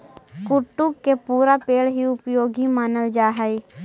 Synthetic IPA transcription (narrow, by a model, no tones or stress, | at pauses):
kʊʈːukːepuːɾapeːɽɦiʊpjoːɡimaːnəld͡ʒaːɦəi